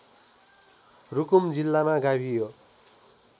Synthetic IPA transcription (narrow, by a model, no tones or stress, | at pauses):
rukumd͡zilːamaɡabʱijo